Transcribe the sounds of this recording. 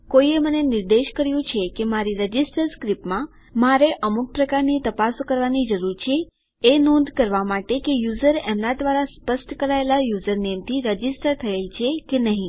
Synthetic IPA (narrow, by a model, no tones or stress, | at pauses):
koiemənenɪɾd̪eʃkəɾjũt͡ʃʰekemaɾiɾəd͡ʒisʈəɾskɾipmã | maɾeʔəmuk̚pɾəkaɾnit̪əpasokəɾʋanid͡ʒəɾuɾt͡ʃʰeː | nɔ̃nd̪kəɾʋamaʈekejuzəɾemnad̪ʋaɾaspəsʈkəɾaelajuzəɾnemt̪ʰiɾəd͡ʒisʈəɾt̪ʰəjelt͡ʃʰekenəɦĩ